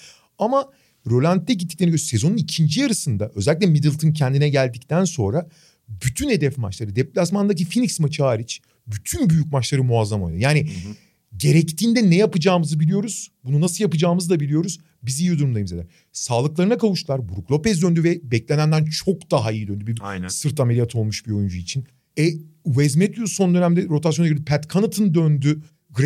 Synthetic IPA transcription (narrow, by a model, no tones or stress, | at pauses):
ama | ɾo̞lʲant̪̚t̪ːɛɟit̪ːi̥clʲeɾnijøse̞zo̞nunicʰind͡ʒijaɾɯsɯnd̪aʔø̞zɛlʲiclʲɛmid̪ilʲˠt̪ʰɯncʰɛnd̪inɛɟælʲd̪ic̚t̪ænso̞nɾa | byt̪ʰyne̞d̪ɛfma̰t͡ʃlˠaɾɯd̪ɛplʲasmand̪ac̬ifiniksmɯt͡ʃʰaːɾit͡ʃ | byt̪ʰynbyjycmat͡ʃlˠaɾɯmuazːamo̰jnˠɯjaːni | ɟe̞ɾɛct̪ʰiːnd̪ɛnɛjapɯd͡ʒaːmɯzɯbilʲijo̞ɾuz̥bununasɯlˠjapɯd͡ʒaːmɯzd̪abilʲijo̞ɾuz̥ | bizijjod̪uɾumd̪ajimzelæ̰ɾ | saːlˠɯklˠaɾɯnakavuʃɯlˠaɾbuɾuklˠo̞pɛs̬d̪ø̞nd̪yvɛbɛclʲenænd̪ænt͡ʃʰo̞kd̪̥aɦaijid̪ønd̪ybiɾsɯɾt̪ameɾʲijat̪ʰo̞lˠmuʃbiɾo̞jund͡ʒuit͡ʃʰin | ɛwɛzmɛt̪ʰuso̞nd̪ø̞næmd̪ɛɾo̞t̪asjoaiɾd̪ipʰɛt̪kʰanɯt̪ʰɯnd̪ønd̪y | ɡɾ